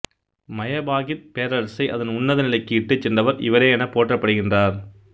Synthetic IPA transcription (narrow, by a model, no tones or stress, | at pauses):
mɐjɐbaːɣɪɾpeːɾɐɭsɐɪʔɐ̰ðɐnʊnːɐðɐnɪlɐɪkːɯɪʈːɯt͡ʃːɛndɐʋɐɾɪ̰ʋɐɾeːɛnɐpoːʈrɐpːɐɽɯɣɪndraːɾ